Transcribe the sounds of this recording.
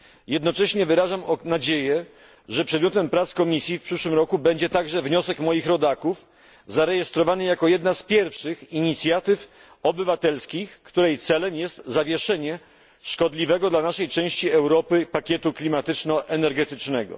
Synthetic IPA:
jɛd̪nɔt͡ʂɛɕɲɛvɘɾaʐamɔnad͡ʑejɛ | ʐɛpʂɛd̪mʲɔt̪ɛmpɾat̪skɔmʲisʲjifpʂɘʂwɘmɾɔkubɛɲd͡ʑɛt̪aɡʐɛvɲɔsɛkmɔjixɾɔd̪akuf | zaɾɛjɛst̪ɾɔvanɘjakɔjɛd̪naspʲjɛɾfʂɘxiɲit̪sʲjat̪ɘf | ɔbɘvat̪ɛlskʲixkt̪uɾɛjt̪sɛlɛmjɛst̪zavʲjɛʂɛɲɛ | ʂkɔd̪lʲivɛɡɔd̪lanaʂɛjt͡ʂɛ̃w̃ɕt͡ɕiɛwɾɔpɘpakʲjɛt̪uklʲimat̪ɘt͡ʂnɔʔɛnɛɾɡɛt̪ɘt͡ʂnɛɡɔ̰

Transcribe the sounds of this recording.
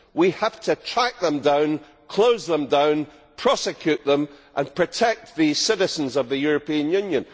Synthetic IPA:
wihaftʰətʰɹ̥aɪʔ̚ðə̃mdãʊ̃n | kʰl̥ˠoʊzðə̃mdãʊ̃n | pʰɹ̥ɔsɪkʰj̥ʉʔðə̃mʔə̃npʰɹ̥ɨtʰɛk̚t̪̚ðɨsɪɾɪzə̃nzʌvðɨjʉɹəpiə̃njʉ̃njə̃n

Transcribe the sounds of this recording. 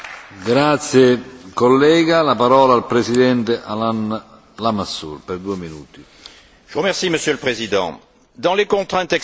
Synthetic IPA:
ɡɾat̪sjekɔlːɛːɡalapaɾɔːlaːlpɾesid̪ɛnt̪eʔalan | lamasːṵrpɛrd̪ueminṵːt̪i | ʒ̥əʁəmɛʁsiməsjøləpχezid̪ɑ̰̃ | d̪ɑ̃lekɔ̃t̪χɛ̃t̪ɛk

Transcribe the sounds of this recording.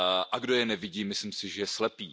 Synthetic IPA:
ʔaɡdojɛnɛvɪɟiːmɪslɪmsɪʒɛjɛslɛpiː

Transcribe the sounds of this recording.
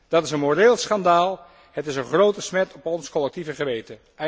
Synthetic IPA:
d̥ɑtɪsənmoreːlˠsχɑndaːlˠ | ɦətɪsənχrowtəsmɛtʰɔpɔnskɔlɛk̚tivəχəʋejtə

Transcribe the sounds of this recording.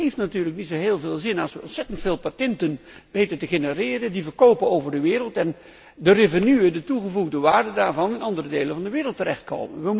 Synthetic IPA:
ejftnatyːrləknitsoɦeːlˠveːlˠzɪnɑlˠsʋəɔnsɛtəntfeːlˠpatɛntənʋejtəntəχenərɪːrəndivərkowpənowvərdəʋɪːɾəlˠtɛn | dərevənyədətuɣəvuɣdəʋaːɹdədaːɹvɑnɪnɑndərədejlənvɑndəʋɪːrəlˠtːərɛχt̚ko̰wmə̰nʋə

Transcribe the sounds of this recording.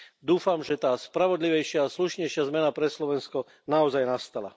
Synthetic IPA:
d̪uːfamʒɛt̪aːspɾaʋɔd̪liʋɛjʃɪaːsluʃɲɛjʃɪazmɛnapɾɛslɔʋɛnskɔ | naɔzajnast̪ala̰

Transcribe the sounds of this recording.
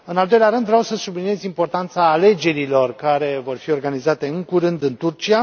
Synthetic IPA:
ɨnald̪o̞jleaɾɨnd̪vɾeawsəsublinije̞zʲimpo̞rt̪ant̪saːle̞d͡ʒe̞ɾilo̞rkaɾe̞vo̞rfio̞rɡanizat̪e̞ɨŋkuɾɨnd̪ɨnt̪urt͡ʃia

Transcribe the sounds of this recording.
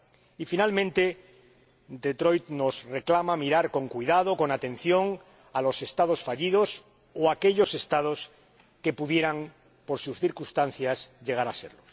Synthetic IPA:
ifinalmẽnt̪e̞ | d̪e̞t̪ɾo̞jt̪no̞sre̞klamamiɾaɾko̞ŋkwiðað̞o̞ko̞nat̪e̞n̟θjo̞ŋ | alo̞se̞st̪að̞o̞sfaʎiðo̞s | oake̞ʎo̞se̞st̪að̞o̞s | ke̞puðje̞ɾaŋ | po̞ɾsusθiɾkust̪an̟θjazʎe̞ɣ̞aɾase̞̰ɾlos

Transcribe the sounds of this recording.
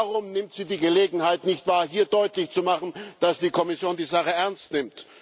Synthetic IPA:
aʁʊmnɪmtz̥iːdiːɡəleːɡŋ̩haɪtnɪçtv̥aːɐɦiːɐdɔʏtlɪçt͡sumaχn̩d̥asd̥iːkʰɔmɪsjoːndiːzaχəɛɐnstnɪmt

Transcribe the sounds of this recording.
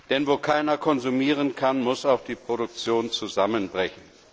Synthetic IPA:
d̥ɛnvoːkʰaɪnɐkʰɔnzumiːʁ̞ənkʰanmʊsaʊxd̥iːpʁ̥oɾʊk̚t͡sjoːnt͡suzamənbʁɛçn̩

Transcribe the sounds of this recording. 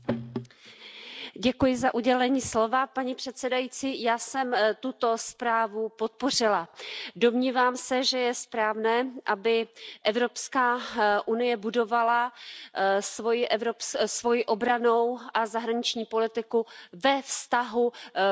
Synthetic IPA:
ɟɛkujɪzaʔuɟɛlɛɲiːslo̞vapaɲipr̥ɛt̪sɛdajit͡siːjaːsɛmt̪ut̪o̞spɾaːvupo̞t̪̚po̞r̝ɪlado̞mɲiːvaːmsɛʒɛjɛspɾaːvnɛːʔabɪʔɛvɾo̞pskaːʔunɪjɛbudo̞vala | svojɪʔɛvɾopssvo̞jɪʔo̞bɾano̞wʔazaɦɾaɲɪt͡ʃɲiːpo̞lɪt̪ɪkuvɛfst̪aɦu

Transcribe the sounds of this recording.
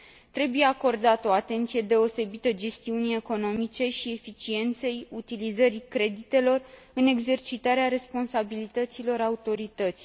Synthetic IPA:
t̪ɾe̞buje̞ako̞rd̪at̪o̞at̪e̞nt̪sije̞d̪e̞o̞se̞bit̪əd͡ʒe̞st̪iunie̞ko̞no̞mit͡ʃe̞ʃie̞fit͡ʃie̞nt̪se̞jut̪ilizəɾikɾe̞d̪it̪e̞lo̞r | ɨne̞ɡze̞rt͡ʃit̪aɾeaɾe̞spo̞nsabilit̪ət̪silo̞ɾaut̪o̞ɾit̪ət̪si̥

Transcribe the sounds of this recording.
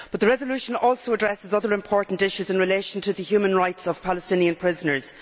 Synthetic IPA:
b̥ʌt̪̚ðəɹɛzəlʉʃə̃nɔːlˠsoʊədɹɛsɪzʌðə˞ɪ̃mpʰɔːɹʔn̩tɪʃʉzɪ̃nɹɪleɪʃə̃n̩tʰəðəhjʉːmə̃nɹaɪtsəv̥pʰaləstɪ̃niə̃npʰɹ̥ɪzənə˞z̥

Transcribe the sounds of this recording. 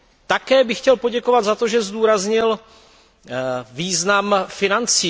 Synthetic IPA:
t̪akɛːbɪxcɛlpoɟɛkovad̪zat̪oʒɛzd̪uːɾazɲɪl | viːznamfɪnant͡siː

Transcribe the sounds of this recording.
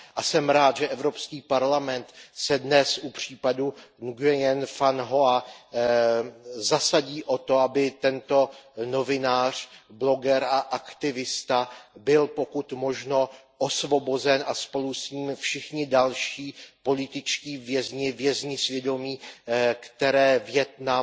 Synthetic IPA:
ʔasɛmɾaːt̪ʒɛʔɛvɾo̞pskiːpaɾlamɛnt̪sɛdnɛsʔupr̝̥iːpadunɡɛjɛnfanɦo̞a | zasaɟiːʔo̞t̪o̞abɪt̪ɛnt̪o̞no̞vɪnaːr̝̥blo̞ɡɛɾaʔakt̪ɪvɪst̪abɪlpo̞kut̪mo̞ʒno̞ | ʔo̞svo̞bo̞zɛnʔaspo̞lusɲiːmfʃɪxɲɪdalʃiːpo̞lɪt̪ɪt͡ʃciːvjɛzɲɪvjɛzɲɪsvjɛdo̞miːkt̪ɛɾɛːvjɛt̪na

